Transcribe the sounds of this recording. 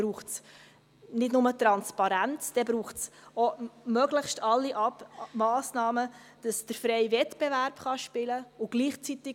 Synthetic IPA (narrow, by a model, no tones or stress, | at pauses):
ɾuːχts | nɪdnʊmətɾɑnspɑɾænt͡sd̥ɛbɾuːχsomœɡləχʃtʰɑlːiʔɑbmɑːsnɑːmə | d̥ɑsd̥əɾfɾɛɪvɛtb̥ɛvæɾpχɑʃpɪləʊɡ̥liːχt͡sit̪ɪ